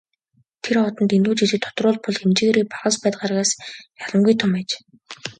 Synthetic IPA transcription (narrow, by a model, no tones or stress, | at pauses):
t̪ʰeɾɔt̪ɞ̆nt̪enuːt͡ɕiɮɘ̆k̚t̪ʰɔ̥t̪rʊːɮpʊɮxemt͡ɕ̆ɣeːɾiːpaʁə̆spæːt̪ʁaːrʁaːsjaɮə̆ŋɡujt̪ʰʊmæːt͡ɕ